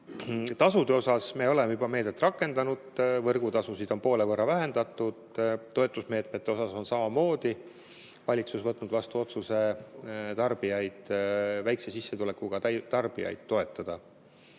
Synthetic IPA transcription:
t̪ɑsud̪̥e̞o̞sɑsme̞ːo̞le̞mejybɑmeːd̪̥et̪ːˑrɑkːˑe̞nd̪̥ɑnud̪̥vɤrɡut̪ɑsusid̪̥o̞npo̞ːlevɤrːɑvæɦe̞nd̪̥ɑt̪ːˑud̪̥t̪ːo̞e̞t̪ːˑusme̞ːt̪ˑmet̪ːeo̞sɑso̞nsɑmɑmo̞ːd̪̥i | vɑlʲit̪susvɤt̪ːˑnud̪vɑst̪uo̞t̪suse̞t̪ɑrb̥ijɑjd̪̥væjksesisːet̪ule̞kːˑuɡ̥ɑt̪ɑrb̥ijɑ̰jd̪̥̚t̪o̞e̞t̪ːˑɑd̪̥ɑ

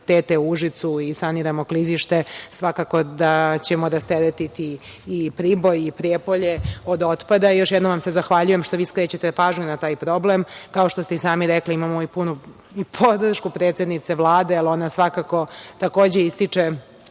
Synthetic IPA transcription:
t̪eːt̪euuʒit̪suisaniɾamo̞kliziʃt̪esʋakako̞d̪at͡ɕemod̪ast̪eɾet̪it̪iːpɾibo̞jipɾiepoʎeod̪o̞t̪pad̪ajoʃjɛd̪noʋamsezaxʋaʎujemʃt̪o̞ʋiːskɾet͡ɕet̪epaːʒɲunat̪aːjpɾo̞blemkao̞ʃt̪o̞st̪eisaːmiɾekliimamoipunu | ipʰod̪r̩ʃkupɾeːt̪sed̪nit̪seʋlˠaːd̪ealo̞nasʋakako̞t̪ako̞ːd͡ʑeist̪it͡ʂe

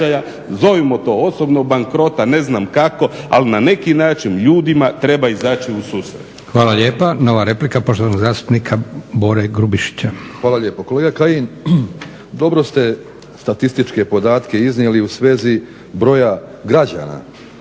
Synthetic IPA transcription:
aja | zo̞ʋimot̪o̞ːosobnoɡ̚baŋkɾo̞t̪ane̞znamkako̞a̰linane̞kinaːt͡ʃinʎuːd̪imat̪ɾe̞baizaːt͡ʃiusuːsɾḛt̪xʋaːlaʎeːpano̞ʋaɾe̞plikapo̞ʃt̪oanoɡzaːst̪u̥pnikʰabo̞ɾeɡɾubiʃi̥t͡ɕaxʋaːlaʎje̞ːpokoleɡakajin | d̪o̞bɾo̞st̪e̞ | st̪at̪ist̪it͡ʃke̞po̞d̪aːt̪ke̞iznijeliusʋe̞ːzi | bɾo̞jaɡɾad͡ʑa̰na̰

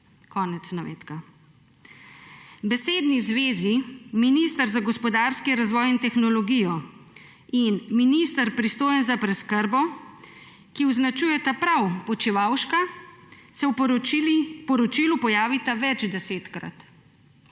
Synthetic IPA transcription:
kɔːnɛt̪snaʋḛːt̪ka | bɛseːd̪nizʋeːziminist̪əɾzaɡɔspɔd̪aːɾskiɾazʋɔːjint̪ɛxnɔlɔɡijɔ | inminist̪aɾpɾist̪oːjɛnzapɾɛskəɾbɔ | kiɔznat͡ʃujɛt̪apɾawpɔt͡ʃiʋaːwʃka | sɛw | pɔɾɔt͡ʃiːlupɔjaːʋit̪aʋɛd͡ʒd̪ɛseːt̪kɾa̰t̪

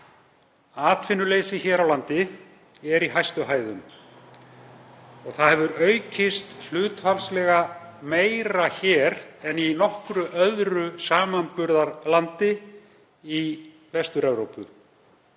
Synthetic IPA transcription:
aːt̪fɪnːʏleːjsɪçɛːɾawlant̪ɪ | ɛɾiɦajst̪ʏɦaːjðʏm | ɔɣθaðhɛvʏɾœɥcɪst̪l̥ʏːt̪falslɛɣameːjɾaçɛːɾɛninɔhkɾʏʔœðɾʏsaːmanpʏɾðaɾlant̪ɪ | i | vɛst̪ʏɾɛvɾowpʏ̰

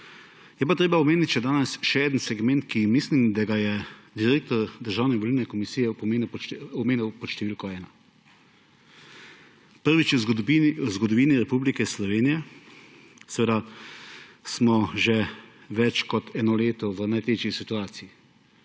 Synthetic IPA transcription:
jɛpat̪ɾeːbaɔmeːnit̪ʲʃɛd̪aːnɛsʃɛeːd̪ənsɛɡmɛ̃nt̪kimislimd̪aɡajɛd̪iɾeːk̚t̪ɔɾd̪əɾʒaːwnɛʋɔlilnɛkɔmisijɛpɔmeːnuɔmeːniwpɔt̪ʃt̪ɛʋiːlkɔɛːna | pəɾʋit͡ʃuwzɡɔd̪ɔʋiːniɾɛpublikɛslɔʋeːnijɛ | sɛʋed̪a | smɔʒɛ | ʋɛt͡ʃkɔt̪ʰɛːnɔleːt̪ɔʋənajt̪eːt͡ʃisit̪uaːt̪siji

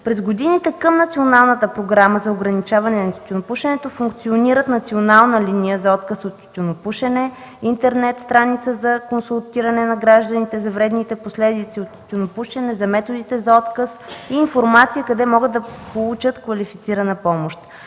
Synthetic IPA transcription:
pɾɛzɡod̪init̪ɛkəmnɐt̪sionalˠnət̪əpɾoɡɾaməzɐoɡɾɐnit͡ʃavɐnɛnɐt̪ʲunopuʃɛnɛt̪ofuŋkt̪sioniɾət̪nɐt̪sionalˠnəlinijəzɐɔt̪kəsot̪tʲːunopuʃɛnɛ | int̪ɛɾnɛt̪st̪ɾanit̪səzɐkonsulˠt̪iɾɐnɛnɐɡɾaʒd̪ənit̪ɛzɐvɾɛd̪nit̪ɛposlɛd̪it̪siot̪ːʲunopuʃɛnɛzɐmɛt̪od̪it̪ɛzɐɔt̪kəsiːnfoɾmat̪sijəkɐd̪ɛmɔɡəd̪ːɐpolˠut͡ʃət̪kvɐlifit̪siɾɐnəpɔmoʃt̪

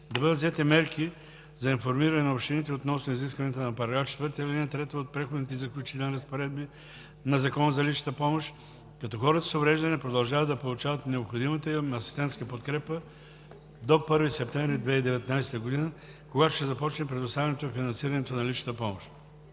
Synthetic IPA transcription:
d̪ɐbəd̪ət̪zɛt̪ɛmɛɾki | zɐinfoɾmiɾɐnɛnɐopʃt̪init̪ɛot̪nɔsnoiziskvɐniɛt̪ənɐpɐɾɐɡɾaft͡ʃɛ̥t̪vəɾt̪əilʲinɐt̪ɾɛt̪əot̪̚pɾɛxod̪nit̪ɛzɐklʲut͡ʃit̪ɛlˠniɾəspoɾɛd̪̚bi | nɐzɐkɔnəzɐliʃnə̥t̪əpɔmoʃ | kɐt̪ɔxɔɾət̪ə̥sovɾɛʒd̪ɐnɛpɾod̪ɐlˠʒavəd̪ɐpolˠut͡ʃavət̪nɛopxod̪imət̪əiɐsi̥st̪ɛ̃nt̪skəpot̪kɾɛpə | d̪opɤɾvisɛp̚t̪ɛ̃mvɾid̪vɛid̪ɛvɛt̪najsɛ̥t̪əɡod̪inə | koɡat̪o̥ʃt̪ɛzɐpɔt͡ʃnɛpɾɛd̪ost̪avʲɛnɛt̪ofinɐnsiɾɐnɛt̪onɐliʃnə̥t̪əpɔmoʃ

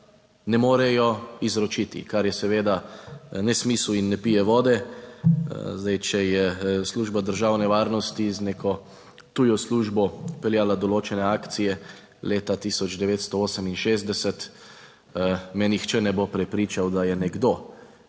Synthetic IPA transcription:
nɛmoːɾɛjɔizɾɔt͡ʃit̪ḭkaɾjɛsɛʋeːd̪anɛsmisluinːɛpijɛʋɔːd̪ɛ | zd̪ajt͡ʃɛjɛsluːʒbad̪əɾʒaːwnɛʋaːɾnɔst̪izneːkʰɔ | t̪uːjɔsluːʒbɔpɛljaːlad̪ɔloːt͡ʃɛnɛaːkt̪sijɛ | leːt̪at̪iːsɔd͡ʒd̪ɛʋeːt̪st̪ɔoːsəminʃeːzd̪ɛsɛt̪ | mɛnixt͡ʃɛnɛbopɾɛpɾiːt͡ʃawd̪ajɛnɛɡd̪oː

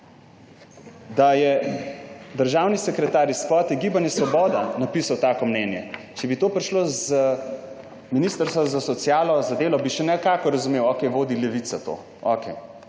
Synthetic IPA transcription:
d̪ajɛ | d̪əɾʒaːwnisɛkɾɛt̪aːɾiskɔːt̪iɡiːbanjɛsʋɔbɔːd̪anapiːsawt̪aːkɔmnɛːnjɛ | t͡ʃɛbit̪oːpɾiʃloz | minist̪əɾst̪ʋazasɔt̪sjaːlɔzad̪eːlɔbiʃɛnɛkaːkɔɾɐzumewɔkɛjʋoːd̪ilɛʋit̪sat̪o̰ː | ɔkɛj

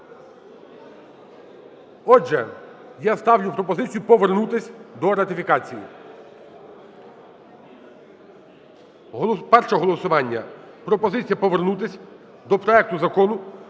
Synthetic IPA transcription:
ɔʒɛ̰ | jast̪ɑwlʲʊpɾɔpɔzɪt͡sʲijʊpɔʋernut̪ɪsʲd̪ɔɾɐt̪ʲɪfʲikɑt͡sʲijḭ | pɛrʃɔɦɔlˠɔsʊʋɑnʲːɐ | pɾɔpɔzɪt͡sʲijɐpɔʋernut̪ɪsʲ | d̪ɔpɾɔɛk̚t̪ʊzɐkɔnʊ

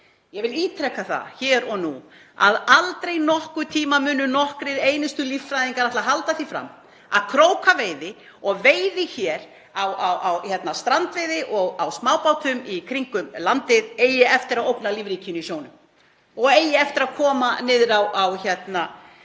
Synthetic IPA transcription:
jɛɣvɪliːt̪ʰɾɛkːaθa̰çɛːɾɔɣnu | aðalt̪ɾejnɔhkʏt̪ʰiːmamʏːnʏnɔhkɾɪɾeːjnɪst̪ʏliffɾajðiŋkaɾaht̪laɦalt̪aθifɾa̰m | a̰ðkʰɾoːwkʰaveːjðɪ | ɔɣveːjðɪçɛːɾ | awawawçɛt̪nast̪ɾant̪vɪjðɪʔɔɣawsmaːwpawt̪ʏmikʰɾiŋkʏmlant̪ɪðeːjɪɛft̪ɪɾaðowpnaliːvɾiːcɪʏnisjownʏm | ɔɣeːjɪɛft̪ɪɾaðkʰɔːmanɪːðɾawawçɛt̪na

